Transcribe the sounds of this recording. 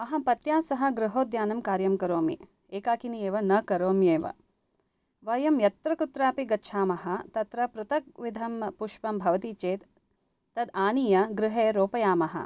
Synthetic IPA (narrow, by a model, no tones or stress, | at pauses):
ɐɦɐpɐt̪jaːsɐɦɐ̆ɡɾɪɦoːd̪jaːnɐmkaːɾjɐmkɐɾoːmḭ | eːkaːkinijeːʋɐnɐkɐɾoːmjeːʋɐ̰ | ʋɐjɐmjɐt̪ɾɐkut̪ɾaːpiɡɐtːʃʰaːmɐɦɐt̪ɐt̪ɾɐpɾut̪ɐk̚ʋid̪ʱɐmpuʃpɐmbʱɐʋɐt̪it͡ʃeːt̪ː | ɐd̪aːnijɐɡɾɪɦeːɾoːpɐjaːmɐɦɐ̰